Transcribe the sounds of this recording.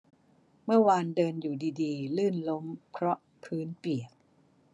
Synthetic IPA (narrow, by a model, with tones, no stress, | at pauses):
mɯ˥˩ɐwaː˧ndɤː˧njuː˨˩diː˧diː˧lɯː˥˩nlo˦˥mkʰɾɔ˦˥ʔ | pʰɯː˦˥npi˨˩ək̚